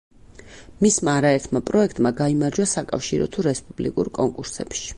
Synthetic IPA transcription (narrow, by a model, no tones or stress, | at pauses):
mismaːɾaɛɾt̪ʰmapʼɾɔɛk̚ʰt̪ʼmaɡaimaɾd͡ʒwasakʼa̰fʃiɾɔ̰t̪ʰuɾɛspʼub̥lḭkʼṵɾkʼɔŋkʼuɾsɛ̰pʃi̥